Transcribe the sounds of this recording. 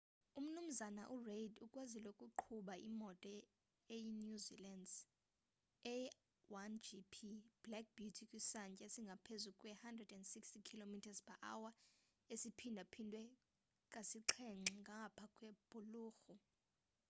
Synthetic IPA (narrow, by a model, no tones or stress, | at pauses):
um̩num̩zanaʔureidukʼwazilokʼuǃʰuɓaḭmɔtʼɔ | ejinjuzḭlandz | ɛ | wand͡ʒipʰib̥lak̚b̥jutʰikʼwisaɲt͡ʃʼaesiŋɡʱapʰezukʼwɛhandrɛdɛndsikstikʰilomitʰazpʰaʔawa | esipʰindʱapʰindʱwɛ | kʼasiǁʰɛŋ͡ǁiŋɡʱaŋɡʱapʰakʼwɛb̥ʱuluːxu